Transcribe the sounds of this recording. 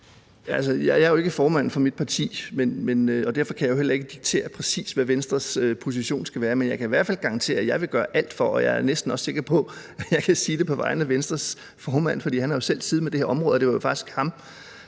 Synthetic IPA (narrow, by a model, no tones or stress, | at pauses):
æl̰səjɑjɑ̈ɐjoe̝ɡ̥əfɒːmænfɒ̽mid̥̚pʰɑ̈t͡sʰḭːmenmenøɒ̽d̥æɐfɒ̽kʰæjɑ̈jo̝el̰ɐe̝ɡ̥əd̥iɡ̥̚t͡sʰe̝̰ːɐpʰʁɛsḭːsʋæʋensd̥ʁɐsøpʰo̝s̬iɕo̝̰ːnsɡ̥æʋæːɐmenjɑ̈ɪkʰæiʋæɐ̰̥fælɡ̥ɑ̈ɑ̈nt͡sʰe̝̰ːɐjɑ̈ɪʋe̝ɡ̥ɶːɐʔæl̰d̥fɒʔɒ̽jɑ̰̈æɐnesd̥n̩ɒ̽sse̝ɡ̥ɐpʰɒ̽æjɑ̈ɪkʰæsiːd̥e̝pʰɒ̽ʋɑ̈ɪ̰nəmæʋensd̥ʁɐs | fɒːmæn̰fɒd̥ḭːhænhɑ̈jo̝sel̰siːð̩ˠmed̥e̝heɐɒ̽mʁɔ̽ːð̩ˠde̝ʋɑjo̝fɑ̈ɡ̥isɡ̥hɑ̈m